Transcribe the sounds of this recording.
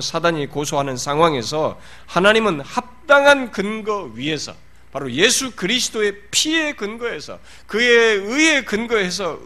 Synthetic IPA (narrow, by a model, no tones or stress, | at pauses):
sʰadaɲikosʰoɦanɯnsʰaŋɦwaŋe̞sʰʌ | hanaɲimɯnhap̚t͈aŋɦankɯnɡʌɥiɦe̞sʰʌ̰ | paɾoje̞sʰukɯɾisʰɯ̥doe̞pʰie̞kɯnɡʌɦe̞sʰʌ̰ | kɯeɯe̞kɯnɡʌɦe̞sʰʌ